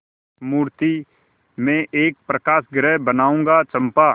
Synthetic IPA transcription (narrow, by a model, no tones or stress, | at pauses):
muːɾt̪i | mẽʔeːk̚pɾəkaːsɡɾɛːbənaːũːŋɡat͡ʃə̃mpa